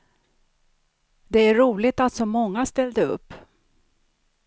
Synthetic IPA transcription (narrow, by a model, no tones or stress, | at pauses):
d̪ɛæɾuːlɪɡt̪alt̪sɔmɔŋːast̪ɛld̪əɵ̰pː